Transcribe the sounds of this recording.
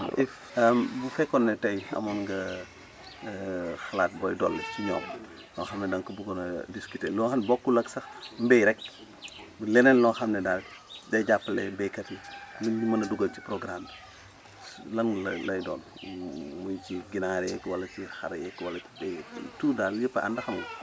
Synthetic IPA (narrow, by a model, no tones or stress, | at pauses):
ʔif | ɐmbufɛkːɔnːɛtɐjɐ̰mɐnŋɡɐ | xɐlaːt̚bɔjdɔlːɛciɲɔːm | nɔxɐmnɛdɐŋkɐbuɡɔnɐdiskitɛːlɔxɐmnbɔkːulɐksɐxmbɛjɾɛk̚ | bulɛnɛnlɔxɐmnɛdaɟɐjɟapːɐlɛ̰bɛkɐtinuimɐnɐduɡɐlci̥pɾɔɡɾaːm | lɐnlɐlɐjdɔ̰ːn | mujciɡinaːɾɛkwɐlɐcixɐ̰ɾɐjɛkwɐlɐibɛtuːdaːljəpːɐɐ̰ndɐxɐmɐ